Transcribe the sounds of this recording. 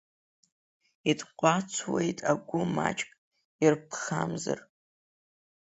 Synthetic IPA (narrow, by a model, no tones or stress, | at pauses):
itʰʼqʷʼat͡sʰwejtʼaɡʷʊmat͡ʃʼkʼ | irpʰχamza̰r